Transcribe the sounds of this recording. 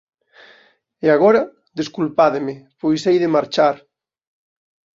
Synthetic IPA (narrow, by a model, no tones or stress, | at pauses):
eaɣɔɾa | ðeskulpaðɪmɪpojsejðɪmaɾt͡ʃaɾ